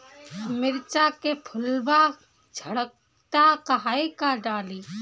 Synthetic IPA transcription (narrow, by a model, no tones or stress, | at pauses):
mɪɾt͡ʃakepʰʊlba | d͡ʒʱəɽək̚ | t̪akɐɦaːikaɖaːliː